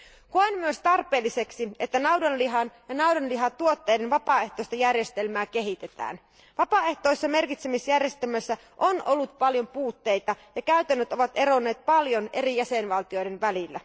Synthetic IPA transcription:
koɑenmyøst̪ɑrpe̞ːlːise̞ksiet̪ːænɑuwdɑnliɦɑnjɑnɑudonliɦɑt̪uo̞t̪ːe̞jde̞nʋɑpɑe̞ht̪ojst̪ɑjærje̞st̪e̞lmæːke̞ɦit̪e̞t̪æ̰ːn | ʋɑpɑe̞ht̪o̞jsːɑme̞rkit̪semisjærje̞st̪elmæsːæ | ʔo̞nʔo̞lːut̪̚pɑljo̞mpuːt̪ːe̞jt̪ɑjɑkæɥt̪ænːøt̪o̞ʋɑt̪e̞ɾo̞nːe̞ːt̪̚pɑljo̞ne̞ɾijæse̞nʋɑlt̪io̞jde̞nʋælilːæ̰

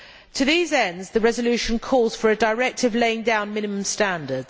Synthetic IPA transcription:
tʰəðiːzɛ̃ndzðəɹɛzəlʉˑʃə̃nkʰɔːlˠz̥fəɹədəɹɛk̚tʰɪvleɪɪ̃ŋdãʊ̃nmɪ̃nɪmə̃mstæ̃ndəd̥z̥

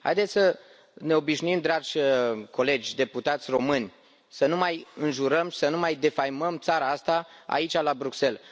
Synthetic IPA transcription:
ha̰jd̪et̪sʲsə | ne̞o̞biʃnuimd̪ɾad͡ʒʲko̞le̞d͡ʒʲd̪e̞put̪at̪sʲro̞mɨnʲ | sənumajɨnʒuɾəmʃi̥sənumajd̪e̞fajməmt̪saɾaast̪aa̰it͡ʃʲalabɾukse̞l

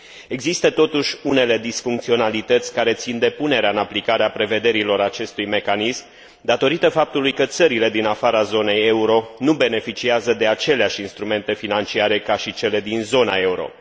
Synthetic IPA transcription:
e̞ɡzist̪ət̪o̞t̪uʃʲune̞le̞d̪isfuŋkt̪sio̞nalit̪ət̪sʲkaɾe̞t̪sind̪e̞pune̞ɾeaɨnaplikaɾeapɾe̞ve̞d̪e̞ɾilo̞ɾat͡ʃe̞st̪ujme̞kanism | d̪at̪o̞ɾit̪əfap̚t̪ulujkət̪səɾile̞d̪inafaɾazo̞ne̞je̞uɾo̞nube̞ne̞fit͡ʃiazəd̪e̞at͡ʃe̞leaʃʲinst̪ɾume̞nt̪e̞finant͡ʃiaɾe̞kaʃit͡ʃe̞le̞d̪inzo̞nae̞uɾo̞̰

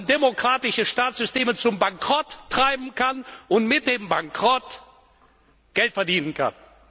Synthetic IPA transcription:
ndemokʁ̥aːtɪʃəʃtaːtsz̥ʏsteːmət͡sʊmbaŋkʁ̥ɔtːʁ̥aɪbm̩kʰanʊntmɪt̚d̥eːmbaŋkʁ̥ɔt | ɡ̥ɛltfɛɐdiːnənkʰa̰n

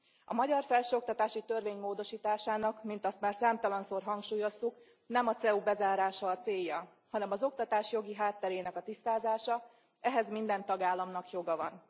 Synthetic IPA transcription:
ɒmɒɟɒrfɛlʃøːo̞k̚t̪ɒt̪aːʃit̪ø̞rveːɲmoːd̪o̞ʃiːt̪aːʃaːnɒkmint̪ɒst̪maːrsaːmt̪ɒlɒnsoːrɦɒŋkʃuːjo̞st̪uk | nɛmɒt̪sɛuːbɛzaːɾaːʃɒːt̪seːjːɒ | hɒnɛmɒzo̞kt̪ɒt̪aːʃjo̞ɡiɦaːt̪ːɛɾeːnɛkɒt̪ist̪aːzaːʃɒ | ɛɦɛzmind̪ɛnt̪ɒɡaːlːɒmnɒkjo̞ɡɒvɒ̰n

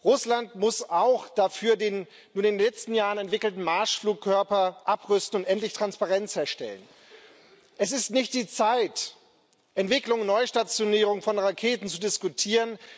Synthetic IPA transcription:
ʁʊslantmʊsaʊxd̥afyːɐdeːn | nuːɐnɪndenlɛt͡stn̩jaːʁənɛntv̥ɪkl̩tn̩maɐʃfluːkʰːœɐpɐʔapʁʏstn̩ʊntʔɛntlɪçtʁ̥anspaʁɛnt͡shɛːɐʃtɛ̰lən | ʔɛsɪstnɪçt̚d̥iːt͡saɪt | ʔɛntv̥ɪklʊŋnɔʏʃtat͡sjoniːʁʊŋfɔnʁakʰeːtn̩t͡sudɪskutʰiːʁən

